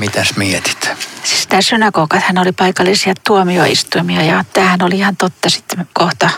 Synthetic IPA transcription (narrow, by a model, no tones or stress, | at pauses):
mit̪æsmiet̪i̥t̪sist̪æːsynɑkokɑt̪hænolipɑikɑlːisiɑt̪ːuomio̰ḭst̪uimiɑjɑt̪æːhænoliihɑnt̪ot̪ːɑsi̥t̪ːkoht̪ɑ